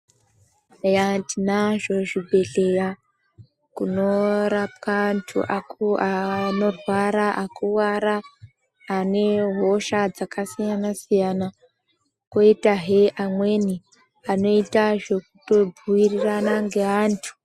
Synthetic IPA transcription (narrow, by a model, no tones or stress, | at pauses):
jatinaʐo̞ʐibʱe̞ɮe̞ja | kuno̞ɾap̚kaːntʰṵʔakuano̞rwaɾaʔakuwaɾaː | ne̞ɦo̞ʃad͡zakasijanasijana | koitaɦeʔamwe̞ni | ano̞itaʐe̞kuto̞buiriranaŋɡe̞aːntʰu̥